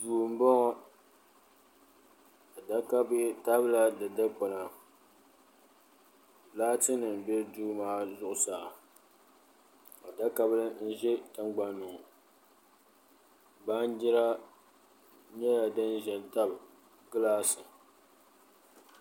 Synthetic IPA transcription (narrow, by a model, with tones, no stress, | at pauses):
duː˨m̩˦bɔ˦ŋɔ˦ | a˨da˦ka˦bta˦bla˦dɨ˨da˦k͡pɔ˨na˨ | laː˦tɨ˦nɨ˨n˨bɛ˦duː˦maː˦zʊ˦˨ʔʊ˨saː˨ | a˨da˦ka˦blɨ˦n̩˦ʒɛ˦tɨ˦ŋɡ͡ba˦nːʊ˨ŋ˨ | ba˦n˦d͡ʒɪ˦ɾa˦ | ɲɛ˦ja˨dɨ˦nʒɛ˨lta˦b | ɡɨ˦laː˦sɨ˨